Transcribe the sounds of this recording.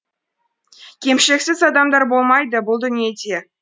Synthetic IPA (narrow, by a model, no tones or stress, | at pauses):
kʲemʃeksʲɪzɑd̪ɑmd̪ɑɾbolˠmɑjd̪əbʊlˠd̪ɵnijed̪ʲe